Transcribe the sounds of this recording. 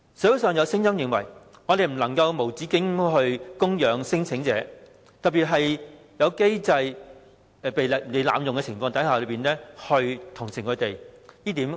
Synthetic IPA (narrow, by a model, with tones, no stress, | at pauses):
sɐ˨˥wu˨˥wsœː˨ŋjɐ˨˧wsɪ˥ŋjɐ˥mjɪ˨ŋwɐ̰˨˩j | ŋɔ˨˧t̪e˨jm̩˨˩lɐ˨˩ŋkɐ˧wmo˨˩wt͡siː˨˥kɪ˨˥ŋɦɵ˧ɥkʊ˥ŋjœː˨˧ŋsɪ˥ŋt͡sʰɪ˨˥ŋt͡sɛ̰ː˨˧˥ | t̪ɐ˨t̚pi˨t̚ɦɐ˨j | jɐ˨˧wke˥jt͡sɐ˧j | pe˨jne˨˧jla̰ː˨˧mjʊ˨ŋkɛ˧t͡sʰɪ˨˩ŋfɔː˧ŋt̪ɐ˨˥jhaː˨lɵ˨˧ɥpiː˨˩nlɛː˥hɵ˧ɥt̪ʰʊ˨˩ŋsɪ˨˩ŋkʰɵ˨˧t̪e˨˩jjiː˥t̪iː˨˥m